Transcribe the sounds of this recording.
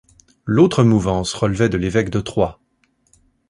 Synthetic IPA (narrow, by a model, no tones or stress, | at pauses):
lot̪χəmuvɑ̃sʁəlvɛd̪əlevɛkd̪ət̪χwa